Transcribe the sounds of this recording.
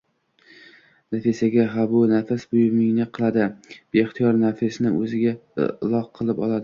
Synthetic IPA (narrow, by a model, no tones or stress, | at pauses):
nafesaɡʲaɦabʊnafasbʊjmɪŋnɪqʰɨlˠad̪ɪb̥eːχt̪ʰijɒɾnafɪsnɪ̰ʔɵ̰zɪɡʲa̰lˠɒqʰːɨlˠɪpɒ̰lˠad̪ɪ